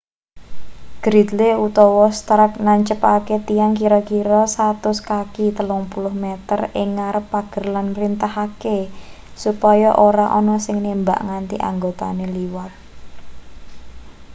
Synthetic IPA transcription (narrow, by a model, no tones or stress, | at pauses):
ɡ̥ɾid̪leut̪ɔwɔst̪ɾək̚naɲt͡ʃəpaket̪ijaŋkiɾɔkiɾɔsat̪ʊskakit̪əlʊŋpulʊhmɛt̪ərɪŋːaɾəpːaɡ̥ə̤rlanpɾint̪aɦake | supɔjɔʔoɾaʔɔnɔsɪŋnemba̰ʔŋant̪ḭʔa̰ŋɡot̪a̰neliwar̚